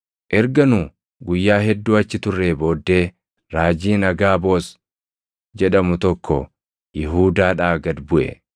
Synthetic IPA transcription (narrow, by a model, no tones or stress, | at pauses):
ʔɛɾɡɐnʊ | ɡʊjːaːɦɛd̪ːuːɐt͡ʃːɪt̪ʊrːeːbo̞ːd̪ːe̞ː | ɾaːd͡ʒiːnɐɡaːbo̞ːs | d͡ʒɛᶑɐmʊt̪ɔkʰːɔ̰ | jɪɦuːd̪aːᶑaːɡɐd̪bʊʔɛ̰